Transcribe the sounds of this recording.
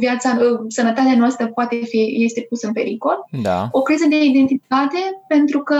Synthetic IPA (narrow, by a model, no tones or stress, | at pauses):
viat̪sasənət̪at̪eanoast̪ɾəpoat̪efije̞st̪e̞pusəɨnpe̞ɾiko̞ld̪a̰o̞kɾizəd̪e̞id̪e̞nt̪it̪at̪e̞pe̞nt̪ɾukə